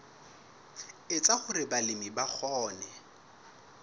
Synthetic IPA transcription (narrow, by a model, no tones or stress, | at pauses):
ɪt͡sʼaχʊɾɪbalɪmibak͡xʰɔːnɛ